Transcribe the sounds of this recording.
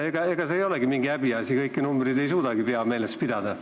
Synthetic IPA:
eɡ̥ɑe̞ɡ̥ɑseːjo̞leɡimiŋɡiæbiɑsikɤjkːinumbrid̪e̞jsuːd̪ɑɡipeɑme̞ːlest̪̚pid̪ɑd̪ɑ

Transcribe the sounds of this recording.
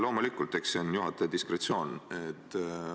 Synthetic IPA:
lo̞ːmulikːˑult̪eksonjuɦɑt̪ːˑed̪̥iskɾet̪sio̞ːnet̪ː

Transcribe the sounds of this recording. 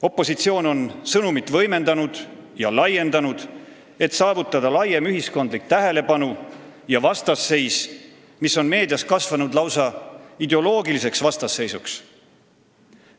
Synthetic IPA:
o̞pːˑo̞sit̪sio̞ːno̞nsɤnumit̪ːˑvɤjme̞nd̪ɑnud̪̥jɑlɑje̞nd̪ɑnud̪̥ | e̞t̪sɑːvut̪ːˑɑd̪̥ɑlɑjemyɦisko̞nd̪lik̚t̪æɦe̞le̞pɑnujɑvɑst̪ɑsːe̞js | misːo̞nme̞ːd̪̥ijɑskɑsvɑnud̪lɑwsɑid̪e̞o̞lo̞ːɡilise̞ksvɑst̪ɑsːe̞jsuks

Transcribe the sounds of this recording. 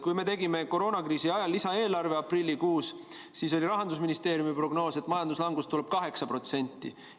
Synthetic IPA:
kujme̞t̪e̞ɡime̞ko̞ɾo̞ːnɑkriːsiɑjɑlːisɑe̞ːlɑrve̞ɑprilʲːikuːs | siːs̬o̞lʲiɾɑɦɑnd̪usminist̪e̞ːɾjumipro̞ɡno̞ːse̞t̪ːˑmɑjɑnd̪uslɑŋɡust̪ule̞b̥̚kɑɦe̞ksɑpɾo̞t̪se̞nʲt̪ˑːḭ

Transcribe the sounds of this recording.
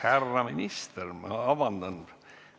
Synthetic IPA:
kærːɑminʲist̪ermɑ̰ɑʋɑnd̪ɑn

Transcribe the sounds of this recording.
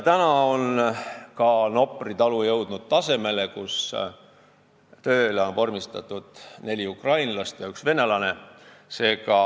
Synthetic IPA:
t̪ænɑo̞nkɑno̞pˑrit̪ɑlujɤwd̪̥nud̪̥̚t̪ɑse̞me̞le̞kus | t̪ø̞ːleo̞npo̞rmist̪ɑt̪ːˑud̪̥ne̞lʲiukrɑjnlɑst̪jɑyksve̞ne̞lɑne̞se̞ːkɑ

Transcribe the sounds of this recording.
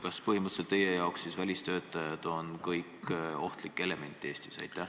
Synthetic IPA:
kɑspɤɦhimət̪selt̪ːe̞je̞jɑoksːisvælʲist̪ø̞ːt̪ːˑɑjɑd̪̥o̞nkɤjkːˑo̞ht̪likːˑe̞le̞me̞nt̪ːˑie̞ːst̪isɑ̰jt̪ːˑæh

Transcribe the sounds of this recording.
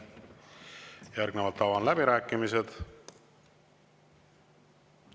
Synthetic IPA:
jærɡ̥nevɑlt̪ːɑvɑnlæbiɾæːkːˑimise̞d̪̥

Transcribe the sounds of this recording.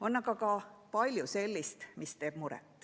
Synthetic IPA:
o̞nːɑɡɑkɑpɑlʲjuse̞lʲːist̪mist̪e̞ːb̥muɾɛ̰t̪ːˑ

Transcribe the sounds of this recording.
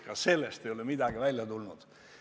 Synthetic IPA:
kɑse̞lːest̪e̞jo̞lemid̪ɑɡ̥ivælʲjɑt̪ulnud̪̥

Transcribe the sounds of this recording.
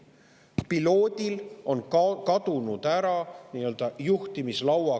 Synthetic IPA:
pilo̞ːd̪̥ʲilo̞nkɑd̪̥unud̪̥æɾɑniːøld̪̥ɑjuht̪imislɑwɑ

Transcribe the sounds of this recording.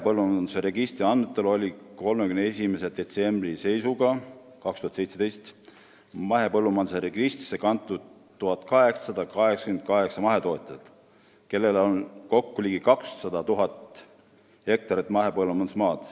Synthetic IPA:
epɤlːumɑnd̪useɾeɡist̪ɾiɑnmet̪ːˑelo̞lʲiko̞lmekymnee̞sʲimese̞d̪̥e̞t̪se̞mbrise̞jsuɡɑ | kɑkst̪uhɑt̪se̞jt̪se̞d̪e̞jst̪ | mɑɦe̞pɤlːumɑnd̪̥seɾeɡist̪ri̥sekɑnt̪ːˑud̪̥ | t̪ːuɦɑt̪ˑkɑɦekssɑd̪̥ɑkɑɦe̞ksɑ̥kymend̪̥̚kɑɦe̞ksɑmɑɦe̞t̪o̞ːt̪ʲˑɑlt̪ | ke̞lːe̞lonko̞kːuliːɡikɑkssɑd̪̥ɑt̪uɦɑt̪ | he̞k̚t̪ɑɾit̪ːˑmɑɦe̞pɤlːumɑnd̪usmɑːd̪̥

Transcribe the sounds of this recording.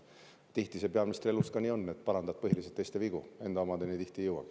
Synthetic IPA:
t̪iht̪ise̞pe̞ɑminist̪rie̞lust̪kɑniːo̞nːet̪̚pɑɾɑnd̪ɑb̥̚pɤɦiliset̪ːˑejst̪e̞viɡ̥ue̞nd̪̥ɑomɑd̪enit̪iht̪ijɤwɑ̰k

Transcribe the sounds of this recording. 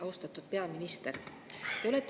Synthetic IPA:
ɑust̪ɑt̪ːˑud̪̥̚pe̞ɑminist̪er | t̪e̞ole̞t̪ːˑ

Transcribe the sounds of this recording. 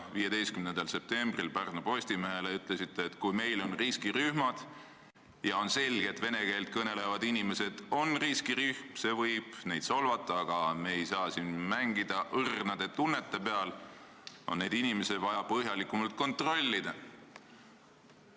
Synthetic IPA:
viːje̞d̪e̞jst̪kymnend̪ɑlse̞p̚t̪e̞mb̥rilpærnupo̞sʲt̪imeɦeleyt̪ˑle̞sit̪ˑːeːt̪kujme̞jlo̞nriskiryhmɑd̪̥ | jɑo̞nse̞lʲɡ̥et̪ve̞ne̞ke̞ːld̪̥̚kɤne̞le̞vɑd̪inime̞se̞d̪̥o̞nriskiryhmse̞vɤjb̥ne̞jd̪solvɑt̪ːˑɑɑɡ̥ɑme̞ejsɑːsinmæŋɡid̪̥ɑʔɤrnɑd̪̥e̞t̪unːe̞t̪ːe̞pe̞ɑl | o̞̰nːejd̪̥inime̞sed̪vɑjɑpɤɦjɑlikːˑumɑlt̪̚ko̞nt̪ro̞lʲːid̪̥ɑ

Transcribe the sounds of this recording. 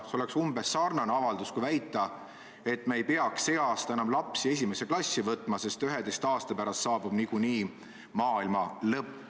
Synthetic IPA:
seo̞le̞ksumb̥e̞sɑrnɑneɑvɑld̪uskujvæjt̪ːˑɑ | e̞t̪ːmeejpeɑksːe̞ɑːst̪ɑenɑmlɑpsie̞s̬ʲime̞se̞klɑsʲːivɤt̪ːˑmɑse̞st̪yɦed̪ejst̪ɑːst̪ɑpæɾɑst̪sɑːb̥ub̥nikuniː | mɑːilmɑlɤpː

